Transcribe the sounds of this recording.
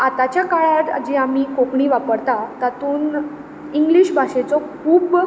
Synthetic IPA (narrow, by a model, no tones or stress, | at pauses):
at̪at͡ɕjakaɭaʈ̪a̰d͡ʑiamiːkokɳiːʋapəɾt̪at̪at̪uːn | iŋɡliɕbʱaʂet͡sɔkʰuːb